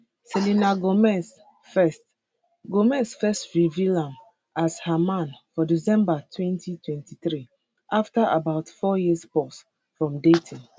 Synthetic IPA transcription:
sɛlinaɡomɛs | fɛst | ɡomɛsfɛstɹivilãm | ashamãnfɔdisɛ̃mbatʰwɛ̃ntʰitʰwɛ̃ntiθɹi | ʔaftaʔabaʊtfɔjispɔs | fɹɔ̃mdetʰĩn

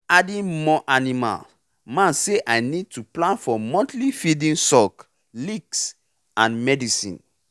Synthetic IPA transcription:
adĩnmɔʔanima̰l | mãnseʔajnid̚tuplãnfɔmɔ̃ntlifidĩnsɔk | liks | ãnmɛdisḭ̃n

